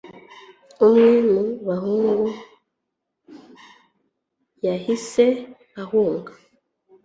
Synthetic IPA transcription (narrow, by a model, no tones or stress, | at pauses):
omwimuβaɦuŋɡo | jahise | ahuːŋɡa